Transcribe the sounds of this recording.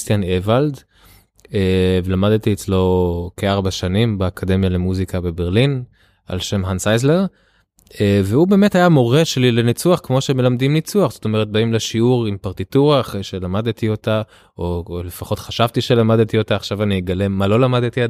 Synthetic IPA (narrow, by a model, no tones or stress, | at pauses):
st̪janevald | elamad̪t̪iet͡slo̞keaʁbaʃanimbeakʰade̞mjale̞muzikabe̞beʁlin | a̰lʃe̞mɦansajzleʁ | eveube̞ːmetajamo̞ʁeʃelilenit͡suaχkmo̞ʃeme̞lamdimnit͡suaχz̥o̥to̞meet̪̚baimleʃiuʁimpaʁtituʁaːχʁejʃe̞lamad̪t̪io̞ta | olefaχo̞t̪χaʃavt̪iʃe̞lamadt̪io̞taːχʃavanijeɡale̞malo̞lamad̪t̪ia